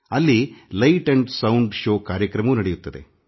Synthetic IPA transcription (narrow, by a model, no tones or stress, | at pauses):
ɐlːilɐjʈɐɳɖsɐwuɳɖʃoːkaːɾjɐkɾɐmɐʋunɐɽejut̪ːɐd̪e